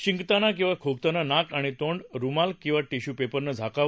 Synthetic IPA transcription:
ɕiŋɡt̪anak̬ĩw̃ʋakʰokt̪ananakaɽ̃it̪oɳɖɾumalkĩw̃ʋaʈiɕupepəɾnəd͡zʱaka

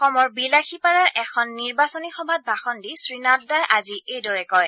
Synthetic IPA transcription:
xɔmɔɹbilaxʰipaɹaɹʔɛkʰɔnːiɹbasɔnixɔbʱat̚bʱaxɔndisɹinat̚dajʔaziejdɔɹɛkɔj

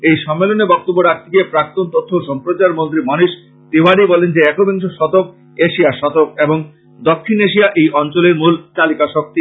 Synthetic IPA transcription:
ejʃɔmːelonebɔk̚t̪obːoɾak̚t̪ʰikepɾak̚t̪ont̪ot̪ʰːoʃɔmpɾot͡ɕaɾmont̪̬ɾimɔniʃ | t̪iwaɽibɔlend͡ʑeɛkobeŋʃoʃɔt̪ok̚ | eʃiaɾʃɔt̪ok̚eboŋ | d̪okʰːineʃ̬iaʔejʔɔnt͡ɕoleɾmult̪alikaʃok̚t̪i

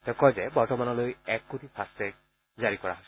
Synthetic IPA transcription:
tɛʊ̃kɔjzɛbɔɹtɔmanɔlojɛkːotifʰastɛk̚ | zaɹikɔɹa̰ɦojs

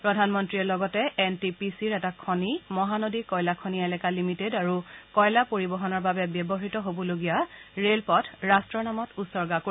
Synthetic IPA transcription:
pɹɔdʱanmɔntɹiɛlɔɡɔtɛɛntipisiɹɛtakʰɔnimɔɦanodikɔjlakʰɔniɛlɛkalimitedaɹukɔjlapoɹibɔɦɔnɔɹbabɛbjɔbɔɦitɔɦobɔloɡijaɹelpɔtʰɹastɹɔɹnamɔtusɔɹɡako

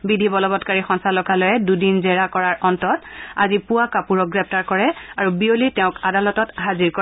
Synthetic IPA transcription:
bidʱibɔlɔbɔtkaɹixɔnsalɔkalɔjɛdudinzɛɹakɔɹaɹʔɔntɔta̰zipʊwakapuɹɔɡɹɛp̚ʰtaɹkɔɹɛaɹubiolitɛʊ̃kadalɔtɔtɦaziɹkɔ

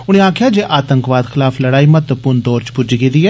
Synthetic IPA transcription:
ʊñẽːaːkʰɪjaːd͡ʒeːʔaːt̪ə̃ŋkʋaːd̪xʰɪlaːfʰləɽaːimət̪əpʊnd̪oːɾt͡ʃpʊd͡ʒɡed̪iːɛː

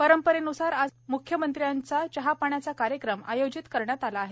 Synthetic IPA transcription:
pəɾəmpəɾenusaɾad͡zmukʰjəmənt̪ɾjant͡sat͡ɕəɦapaɳjat͡sakaɾjəkɾəma̰jod͡ʑit̪kəɾɳjat̪alaːɦe

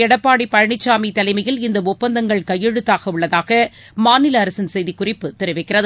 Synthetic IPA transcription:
ɛɽɐpːaːɽipːɐɻɐɳɪt͡ʃːaːmit̪ːɐlɐɪmɐjɪlɪnd̪ɐʊpːɐnd̪ɐŋɡɐɭkɐjːɛɻɯt̪ːaːɣɐʊɭːɐðaːɣɐ | maːnɪlɐːɾɐsɪnsɛjðikʊrɪpːɯt̪ɪɾɐɪʋɐɪkːɪrɐðɯ

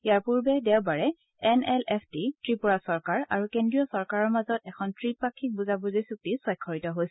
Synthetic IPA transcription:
ijaɹpuɹbɛdɛwbaɹɛ | ɛnɛlɛpʰtitɹipuɹasɔɹkaɹa̰ɹukendɹijɔsɔɹkaɹɔɹmazɔtɛkʰɔntɹipakʰːik̚buzabuzisuk̚tisɔjkʰːɔɹitɔɦojsɛ

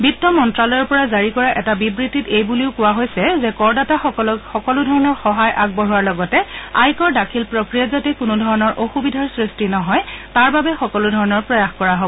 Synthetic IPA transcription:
bitːɔmɔntɹalɔjɔɹpɔɹazaɹikɔɹaʔɛtabibɹitːitejbuliʊkʊwaɦojsɛzɛkɔɹdataxɔxɔkɔlʊdʱɔɹɔnɔɹxɔɦajʔaɡ̚bɔɹuaɹlɔɡɔtɛa̰jkɔɹdakʰilpɹokɹijatzatɛkʊnʊdʱɔɹɔnɔɹʔoxubidʱaɹsɹistinɔɦɔjtaɹbabɛxɔkɔlʊdʱɔɹɔnɔɹpɹɔjaxkɔɹaɦobɔ

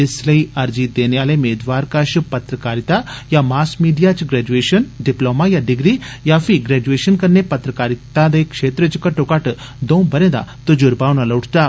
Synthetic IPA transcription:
ɪsləiɐɾd͡ʒid̪eːnjaːlemeːd̪ʋaːɾkaʃupɐt̪ɾəkaːɾit̪ajamaːskmiːɖijat͡ʃɡɾɛːd͡ʒueːʃənɖiploːmajaɖiɡɾijafiɡɾɛd͡ʒueːʃənkɐɾnepɐt̪ɾəkaːɾit̪ad̪ɐjkʂeːt̪ɾət͡ʃikɐʈokaːʈ | d̪õbəɾẽd̪a̰t̪od͡ʒuɾbaːwnɐlɐwʈʰt̪a

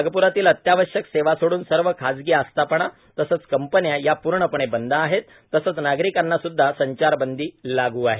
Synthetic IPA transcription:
əɡəpuɾat̪iːlət̪jaʋəɕjəkseʋasoɽuːnsəɾʋəkʰad͡zɡiast̪ʰapəɳ̃a | t̪əsət͡skəmpənjajapuɾɳəpəɳ̃ebənd̪ʱaːɦet̪ːəsəːt͡snaɡɾikanːasud̪ʱːasəɲt͡ɕaɾbənd̪ʱiːlaɡuːaɦe

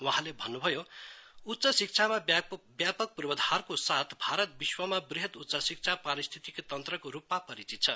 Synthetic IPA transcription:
waɦãlebʱʌnːubʱʌjout̪ːsʌsik̚t͡sʰamabjapʌk̚purbʌd̪ʱarkosat̪ʰbʱaɾʌt̪̚biswʌmabriɦʌt̪ut̪ːsʌsik̚t͡sʰapaɾist̪ʰit̪ikot̪ʌnt̪rʌkoɾupmapʌɾit͡sit̪̚t͡sʰʌ

